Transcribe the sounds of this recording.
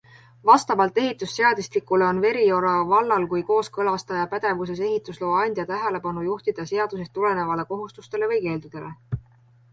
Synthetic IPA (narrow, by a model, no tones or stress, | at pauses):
vɑst̪ɑvɑlt̪ːˑe̞ɦit̪ːˑusːe̞ɑd̪ist̪likːˑuleo̞nve̞ɾio̞ɾɑvɑlːɑlkujko̞ːskɤlɑst̪ɑjɑpæd̪̥e̞vus̬e̞s̬e̞ɦit̪ːˑuslo̞ːɑnʲd̪̥jɑt̪æɦele̞pɑnujuht̪id̪̥ɑse̞ɑd̪̥us̬est̪ule̞ne̞vɑle̞ko̞ɦust̪ust̪e̞le̞vɤjke̞ːld̪̥ud̪̥e̞le̞